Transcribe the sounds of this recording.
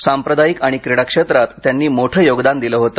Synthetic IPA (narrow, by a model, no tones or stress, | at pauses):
sampɾəd̪ajikaɽ̃ikɾiɽakʂet̪ɾat̪ːjanːiːmoʈʰəːjoɡd̪and̪iləːɦot̪ə